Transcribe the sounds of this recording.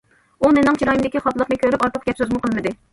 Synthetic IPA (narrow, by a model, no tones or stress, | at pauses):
unɪnɪŋt͡ʃʰiɾɑjimd̪ɪkʲiχɑt̪lˠəqnɨkʲøɾypɑɾt̪ʰəqɡʲɛpsøzmuqʰəlˠmɨd̪ɨ